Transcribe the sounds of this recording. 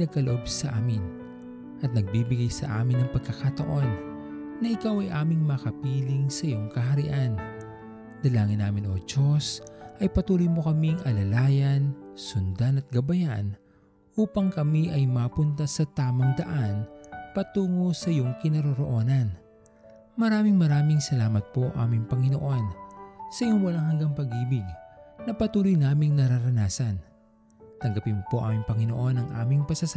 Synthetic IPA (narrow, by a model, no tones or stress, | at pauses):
nɐɡ̚kɐloʔo̞bsɐʔaːmɪn | ʔɐt̪̚nɐɡ̚biːbɪɡajsɐ̰ʔa̰ːmɪnːɐŋpɐɡ̚kːɐkɐt̪ɐʔo̞nːɐʔɪkawɐjʔaːmɪŋmɐkɐpiːlɪŋsɐjo̞ŋkɐɦɐɾɪ̰ʔan | d̪̥ɐlaːŋɪnːaːmɪno̞ːd͡ʒo̞sʔɐjpɐt̪uːlojmo̞kɐmiŋʔɐlɐlaːjɐnsʊnd̪anɐt̪̚ɡɐbɐjan | ʔuːpɐŋkɐmiʔɐjmaːpʊnt̪ɐsɐt̪aːmɐŋd̪ɐʔanpɐt̪uːŋo̞sɐjoŋkɪnɐɾoɾo̞ʔo̞ːnɐn | mɐɾaːmɪŋmɐɾaːmɪŋsɐlaːmɐt̪̚po̞ʔa̰ːmɪŋpɐŋɪno̞ʔo̞nsɐjoŋwɐlaŋɦɐŋɡɐŋpɐɡʔiːbɪɡːɐpɐt̪uːlojnaːmɪŋnɐɾaɾɐnaːsɐn | t̪ɐŋɡɐpɪnmopo̞ʔa̰ːmɪŋpɐŋɪno̞ʔo̞nɐŋʔa̰ːmɪŋpɐsɐs